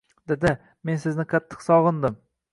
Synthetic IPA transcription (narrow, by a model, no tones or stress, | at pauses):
d̪ɪd̪ɪ | me̞nsɪznɪqʰɑt̪ʰːɨ̥qsɒʁɨnd̪ɪm